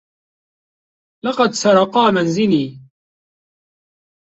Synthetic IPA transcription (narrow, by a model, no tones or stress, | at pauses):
lɑqɑd̪sɑɾˤɑqɑːmanzɪliː